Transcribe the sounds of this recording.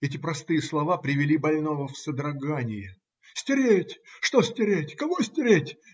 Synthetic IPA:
ɛtʲɪpɾɐst̪ɨjəslˠɐvapɾʲɪvʲɪlʲibɐlʲnovəfsəd̪ɾɐɡanʲɪjɪ | sʲtʲɪɾʲetʲʂt̪osʲtʲɪɾʲetʲkɐvosʲtʲɪɾʲetʲ

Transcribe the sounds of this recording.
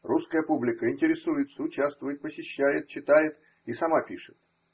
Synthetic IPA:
ruskəjəpublʲɪkəɪnʲtʲɪɾʲɪsujɪt̪səʊt͡ɕast̪vʊjɪt̪̚pəsʲɪɕːæjɪt̪̚t͡ɕɪt̪ajɪt̪ | isɐmapʲiʂɨ̥t̪

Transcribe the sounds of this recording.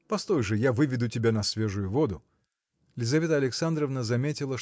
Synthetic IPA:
pɐst̪o̞jʐɨjavɨvʲɪd̪ʊtʲɪbʲanɐsvʲe̞ʐʊjʊvo̞d̪ʊ | lʲɪzɐvʲet̪əɐlʲɪksand̪ɾəvnəzɐmʲetʲɪlˠəʂ

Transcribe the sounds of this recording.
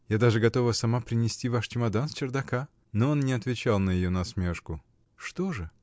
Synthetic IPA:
jad̪aʐɨɡɐt̪o̞vəsɐmapɾʲɪnʲɪsʲtʲivaʂt͡ɕɪmɐd̪ansʲt͡ɕɪrd̪ɐka | noo̞nnʲɪɐt̪vʲɪt͡ɕalˠnəjɪjonɐsmʲe̞ʂkʊ | ʂt̪o̞ʐɨ

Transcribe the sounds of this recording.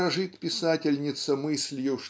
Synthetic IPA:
ɐʐɨt̪pʲɪsatʲɪlʲnʲɪt̪səmɨsʲlʲjuʂ

